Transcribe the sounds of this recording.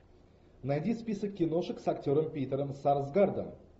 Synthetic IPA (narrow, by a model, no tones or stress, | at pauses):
najd̪ʲispʲisəkʲːɪno̞ʂəksakt̪ʲoɾəmpʲejt̪əɾəmsaɾzɡaɾd̪ə̰